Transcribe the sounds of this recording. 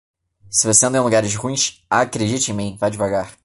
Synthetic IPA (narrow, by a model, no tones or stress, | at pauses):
sɪvoseɐ̃nd̪ɐẽluɡaɾɪʃɦũĩʃakɾed͡ʒit͡ʃɪẽmĩj̃vajad͡ʒɪvaɡaχ